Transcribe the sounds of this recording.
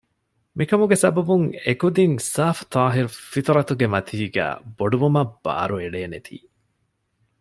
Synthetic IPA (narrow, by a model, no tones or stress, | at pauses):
mikɐmuɡesɐbɐbuŋekud̪iŋsaːft̪ʰɑːɦiɾufit̪ɾɐt̪uɡemɐt̪ʰiːɡæ̰ːboɖuʋumɐb̥ːa̰ːɾueɖeːnet̪ʰḭː